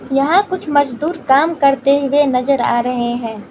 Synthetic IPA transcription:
jɐɦãkʊt͡ʃʰmɐd͡ʒd̪uːɾkaːmkɐɾt̪eɦʊenɐzəɾa̰ːɾɐɦeɦɛ̃ː

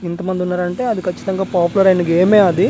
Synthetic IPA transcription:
int̪ɐmɐnd̪iunːaːɾɐɳʈe̞ːɐd̪ikʰɐt͡ʃːi̥t̪ɐŋɡaːpaːpulɐɾɐjnikeːmeːɐd̪i

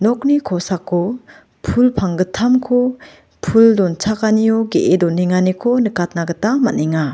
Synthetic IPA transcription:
nɔk̚nikʰɔsakʰːɔ | pʰulpʰaŋɡɯtʰamkʰɔ | pʰuldɔnt͡ʃʰakanijɔɡeʔedɔneŋanikʰɔnɯkat̚naɡɯtamaneŋa

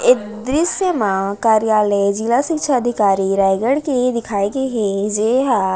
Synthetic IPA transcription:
ɪ | d̪ɾɪsjəmãkaːɾijaːled͡ʒilasɪkʃʰaɐd̪ʱɪkaːɾiɾaːjɡəɽked̪ɪkʰaːekeɦed͡ʒeːɦa

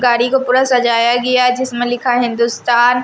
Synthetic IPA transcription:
ɡaːɾikopuːɾasɐd͡ʒaːjaɡɐjad͡ʒɪsmẽlɪkʰaɦɪ̃nd̪ust̪aːn

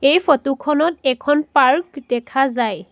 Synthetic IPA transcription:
ejpotukʰɔnɔtɛkʰɔnpaɹkdɛkʰazaj

